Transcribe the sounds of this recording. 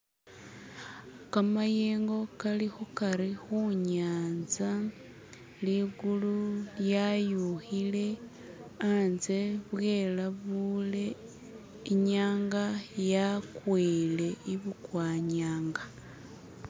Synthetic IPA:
kamajeːŋɡo̞kalixukaɾixuɲaːnza | liɡululjajuxile̞ | anze̞βwe̞ːlaβule̞ | iɲaːŋɡajakwiːle̞iβukwaːɲaːŋɡa

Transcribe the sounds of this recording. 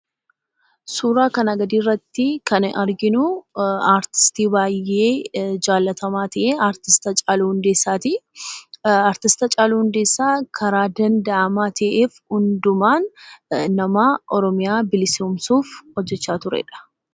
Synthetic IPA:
suːɾaːkɐnɐɡɐd̪iːrːɐt̪ːɪkɐnɐɾɡɪnʊaːɾt̪ɪ̥st̪iːbaːjːe̞ːd͡ʒaːlːɐt̪ɐmaːt̪ɐʔeːaːɾt̪ɪst̪ɐt͡ʃʼaːluhʊnd̪e̞ːsːaːt̪ɪ | aːɾt̪ɪst̪ɐt͡ʃʼaːluhʊnd̪e̞ːsːaːkʰɐɾaːd̪ɐnd̪ɐʔɐmaːt̪ʰɐʔeːfhʊnd̪ʊmaːnː | ɐmaːʔɔɾɔmɪjaːbɪlɪsmsuːfhɔd͡ʒːɛt͡ʃːaːt̪ʊɾɛ̰ᶑɐ̥

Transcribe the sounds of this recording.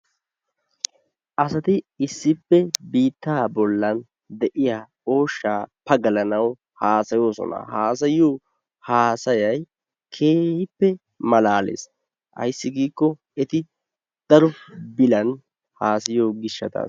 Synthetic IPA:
ʔɐsɐt̪ɪɪsːɪpːɛbiːt̪ːaːbɔlːɐn | d̪ɛʔɪjaː | o̞ːʃːaːpɐɡɐlɐnɐw | haːsɐjo̞ːsɔ̰na̰haːs̬ɐjoː | haːsɐjɐj | kʰe̞ːhɪpːɛ | mɐlaːlḛːs | ʔɐ̰jsːɪɡiːkːɔ | ɛt̪ɪ | d̪̥ɐɾɔbɪlɐn | haːsɐjoːɡɪʃːɐt̪a̰ːs

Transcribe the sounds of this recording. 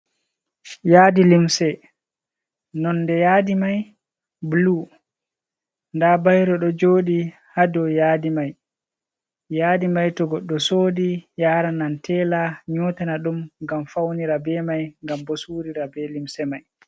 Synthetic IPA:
jaːdilimsɛ | nɔnːdɛjaːdimaj | blu | ndabajɾɔɗɔd͡ʒoːɗi | hadɔjaːdimaj | jaːdimajtɔɡɔɗːɔsoːdijaːɾanantɛːlaɲɔːtanaɗumŋɡamfawniɾabɛmajŋɡambɔsuːɾiɾabɛlimsɛmaj

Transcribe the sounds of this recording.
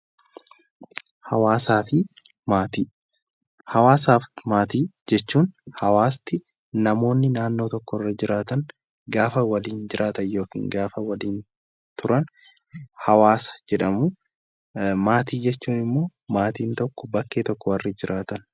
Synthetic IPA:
hɐwaːsaːfɪ | maːt̪iː | hɐwaːsaːfmaːt̪iːd͡ʒɛt͡ʃːuːnhɐwaːst̪ɪ | nɐmo̞ːnːɪnaːnːo̞ːt̪ɔkːɔrːɐd͡ʒɪɾaːt̪ɐŋ | ɡaːfɐwɐliːnd͡ʒɪɾaːt̪ɐnjo̞ːkḭːŋɡaːfɐwɐliːn | t̪ʊɾɐn | hɐwaːsɐ̥d͡ʒɛᶑɐmʊ | maːt̪iːd͡ʒɛt͡ʃːuːnɪmːo̞ːmaːt̪iːnt̪ɔkːɔ̥bɐkːeːt̪ɔkːɔwɐrːɐd͡ʒɪɾaːt̪ɐn

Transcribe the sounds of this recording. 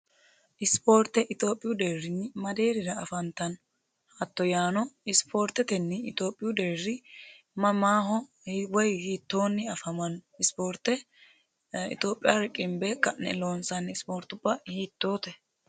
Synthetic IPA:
ʔɪspo̞ːɾt̪ːɛʔɪt̪o̞ːpʼːɪjʊd̪eːrːɪnːɪmɐd̪e̞ːɾɪɾɐɐfɐnt̪ːɐn | ɐt̪ːɔjaːnɔɪspʰo̞ːɾt̪ːɛt̪ɛnːɪɪt̪o̞ːpʼːɪjʊd̪eːɾɪ | mɐmaːɦɔ | hwɔjhiːt̪ːo̞ːnːɪɐfɐmɐnɪspoːɾt̪ːɛ | ɪ̰t̪o̞ːpʼːɪjaɾɪkʼɪmbɛkɐnɛ̰lo̞ːnsɐnɪspo̞ːɾt̪ːʊbːɐhiːt̪ːoːt̪ɛ

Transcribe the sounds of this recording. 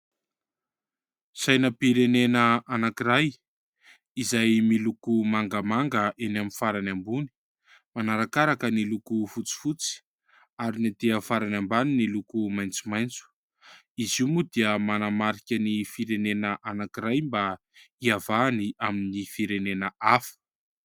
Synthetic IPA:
sajnəpiɾenenəʔanakiɾaj | izajmilukumaŋɡəmaŋɡəʔenaminfaɾanambuni̥ | manaɾakaɾakənilukufut͡si̥fut͡si̥ | aɾinat̪eəfaɾanambaninilukumajnt͡sumajnt͡su̥ | izimud̪iəmanamaɾikʲənifiɾenenəʔanakiɾajmba | iavaniʔaminifiɾenenəafə̥

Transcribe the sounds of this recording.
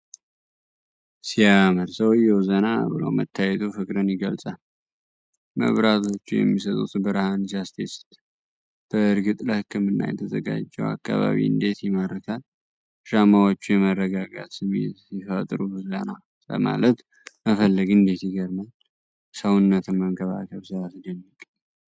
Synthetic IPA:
sijaməɾsəwjɛwzəna̰bɨlə̰wmə̰t̪ʰːajɛt̪ʰufɨkʼɾənjɪɡəlt͡sʼal | mə̰βɾat̪ʰo̞t͡ʃːujɛ̰mːisət̪ʼṵt̪bəɾhand͡ʒast̪ʰest̪ | b̥əɨɾɡɨt̪ʼləhɨkːɨmɨnːa̰jɛt̪ʰəzə̰ɡa̰d͡ʒːɛwa̰kːa̰βa̰βḭɨ̰nd̪e̞t̪jɪməɾək̪ʰal | ʃamawot͡ʃːujɛmərːəɡaɡat̪sɨmḛt̪ifət̪ʼɾuzəna | lə̰ma̰lət̪ | məfəlːəɡɨnd̪e̞t̪jɪɡəɾman | səwnːət̪ʰɨmːəŋkʰəβa̰kʰəβsɨβasɨd̪ənːikʼː

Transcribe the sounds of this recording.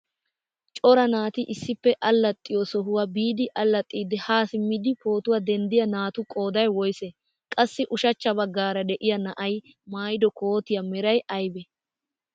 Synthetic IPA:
t͡ʃʼɔɾɐnaːt̪ɪʔɪsːɪpːɛʔɐlːɐt̪ʼːɪjɔsɔɦʊwɐbiːd̪ɪʔɐlːɐt̪ʼːiːd̪ɛhaːsɪmɪd̪ɪpo̞ːt̪ʊwad̪ɛnd̪ɪjɐnaːt̪ʊkʼo̞ːd̪ɐjwɔjsɛ | kʼɐsːɪʔʊʃɐt͡ʃːɐbɐɡːaːɾɐd̪ɛʔɪjɐnɐʔɐj | maːjd̪ɔkoːt̪ɪjɐmɛɾɐjɐjbɛ

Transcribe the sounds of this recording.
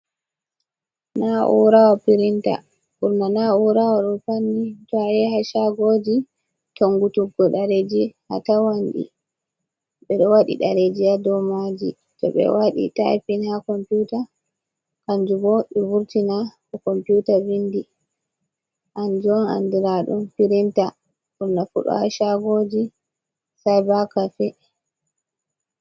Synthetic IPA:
naʔṵɾawapiɾinta̰ | kuɾmanauɾawaɗɔpanːitɔajɛhaʃaɡod͡ʒi | tɔŋɡutuɡɔɗaɾed͡ʒiha̰tawanɗḭ | ɓɛɗɔwaɗḭɗaɾed͡ʒijadɔmad͡ʒi | tɔ̰ɓɛ̰waɗḭtajpinakɔmputa | kand͡ʒubɔɗivuɾtinakɔkɔmputavindi | ʔand͡ʒɔna̰ndiɾaɗṵmfiɾinta | ʔumnafṵɗɔ̰ha̰ʃaɡod͡ʒi | sajbakafɛ

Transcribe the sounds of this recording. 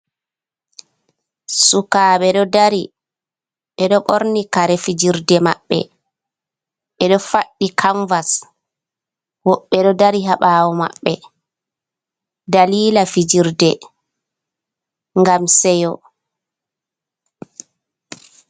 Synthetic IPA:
sukaːɓɛɗɔdaɾi | ʔɛɗɔɓoɾnikaɾɛfid͡ʒiɾdɛma̰ɓːɛ̰ | ʔɛɗɔfaɗːikʰaɱvas | wɔɓːɛɗɔdaɾiɦaɓaːwɔma̰ɓːɛ | daliːlafid͡ʒiɾdɛ | ŋɡamsɛjɔ

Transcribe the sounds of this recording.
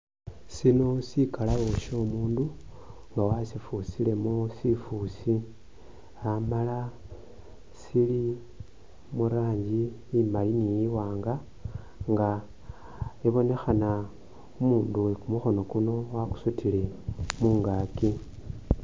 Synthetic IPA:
sino̞sikalaβo̞ʃo̞ːmuːndu | ŋɡawasifusile̞mosifusi | amala | sili | muɾaːɲɟi | imalinijiwaːŋɡa | ŋɡa | iβo̞ne̞xana | umuːnduwekumuxo̞no̞kuno̞waxu̥sutʰile̞muːŋɡaːki

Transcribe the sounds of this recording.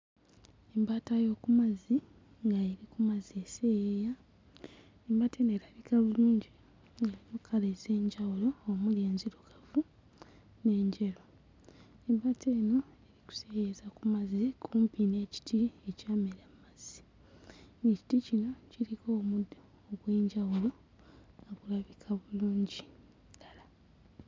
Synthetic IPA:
embaːtajo̞ːkumazi | ŋɡaeɾikumazese̞jeːja | embate̞ːnoeːɾaβikaβuluːɲɟi | elinokʰaleze̞ːɲɟawulo̞ːmuljeːnziɾuɡavu | ne̞ːɲɟeɾo | embatʰe̞ːno̞eɾiku̥sejezakumazikʰuːmpine̞ːci̥tʰiecaːmeɾamazi | neci̥ticino̞ciɾiko | oɡwe̞ːɲɟawulo̞ | okulaβikʰaβuluːɲɟi | lala

